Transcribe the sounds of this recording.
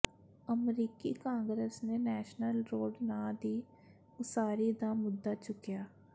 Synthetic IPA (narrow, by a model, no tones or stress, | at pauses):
əmɾiːkikãːŋɡɾesnenɛːʃnəlɾoːɖnãːd̪iː | ʊsaːɾid̪amʊd̪ːat͡ʃʊkijaː